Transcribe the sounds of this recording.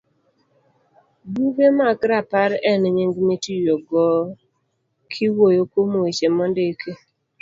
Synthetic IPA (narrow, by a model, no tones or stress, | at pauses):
buɡemakɾapaɾɛnɲɪŋɡmetijoɡɔ | kʰɪwojokomowet͡ʃemɔndekʰe